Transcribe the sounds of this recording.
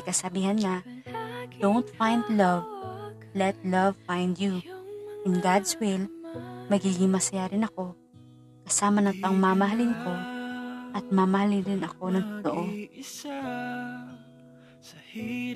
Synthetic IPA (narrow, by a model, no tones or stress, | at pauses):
kɐsɐbiːhɐnŋa | d̪̥ownt̪fajnd̪lɐv | lɛt̪̚lɐvfajnd̪juʔɪnɡad̪swɪlmɐɡiːɡɪŋmɐsɐjaɾɪnɐko̞ | kɐsaːmɐnɐŋt̪ɐŋmamɐɦɐlɪnko̞ | ʔɐt̪̚mamɐhalɪɾɪnɐko̞nɐŋt̪ot̪oʔo